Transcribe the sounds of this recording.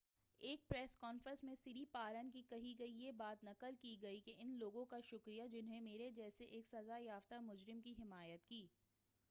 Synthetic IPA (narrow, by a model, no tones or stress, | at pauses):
eːk̚pɾɛːskɔːnfɾə̃nsmẽsɪɾipaːɾənkikɐɦiɡɐijebaːt̪nɐkəlkiɡɐikeʔɪnloːɡõkaʃʊkɾijad͡ʒɪnɦẽmeːɾed͡ʒɛːseʔeːksɐzajaːft̪amʊd͡ʒɾɪmkiɦɪmaːjət̪kiː